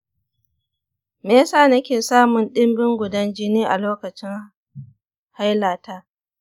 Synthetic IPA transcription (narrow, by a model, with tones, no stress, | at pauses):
meː˦saː˦nɐ˦kʲeː˨saː˦mʊ˨nɗɪ˦mbɪ˦ŋɡʷʊ˨dɐ˦nd͡ʒɪ˦niː˦ʔa˨loː˦kɐ˨t͡ʃɪ˦ŋ | ha˦jlaː˨taː˦